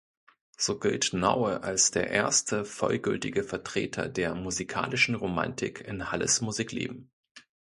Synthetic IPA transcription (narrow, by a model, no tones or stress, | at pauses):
z̥oːɡɪltnaʊəʔalsd̥eːɐʔḛːɐstʰəfɔlɡʏltɪɡəfɛɐtʁ̥eːtʰɐ̰deːɐmuzikʰa̰ːlɪʃn̩ʁoma̰ntʰɪkʰɪnhalə̰smuziːklḛːbm̩